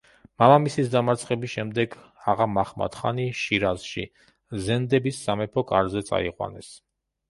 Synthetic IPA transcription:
mamamisisd̪amaɾt̪sʰχɛbisʃɛmd̪ɛɡ | aʁamaχma̰t̪χa̰niʃiɾazʃḭ | zɛnd̪ɛbisːamɛpʰɔkʼaɾzɛt̪sʼa̰iqʼwa̰nɛs

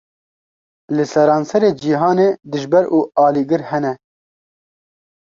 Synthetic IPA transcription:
lɨsɛɾɑːnsɛɾeːd͡ʒiɦɑːneːd̪ɨʒbɛɾʔuːɑːliːɡɨɾhɛnɛ

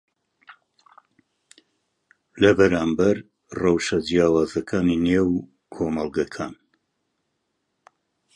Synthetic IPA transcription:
lɐbɐɾaːmbɐɾ | rɑwʃɐd͡ʒijaːwaːzɐkʰaːninew | kʰoːmɐlˠɡɐkʰaːn

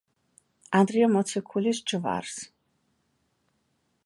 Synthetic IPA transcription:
and̪riɔmɔt͡sʰɛkʰulisʈ͡ʂʰʼɨva̰rs

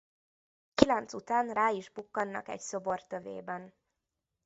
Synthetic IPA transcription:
kilɛnt̪sut̪aːnraːiʒbukːɒnːɒ̰kɛ̰cso̞bo̞rt̪ːøvḛːbɛn

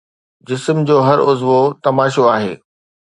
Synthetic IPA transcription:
d͡ʑɪsmd͡ʑoːɦɐɾʊzʋot̪ɐmaːʃoaːɦḛː

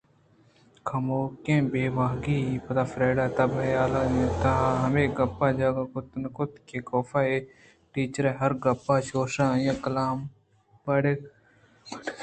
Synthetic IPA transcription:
kʰɐmoːkẽːbeːʋaːɦɡiːipɐt̪aːfɾeːɖaːt̪ɐbɐjaːlajẽt̪aɦɐmeːɡɐpːaːd͡ʒaːɡakʊt̪nkʊt̪keːkoːfaːeː | ʈiːt͡ʃəɾẽːɦɐɾɡɐpːaːʃoːʃaːjẽːkɐlaːm | pɐɽek

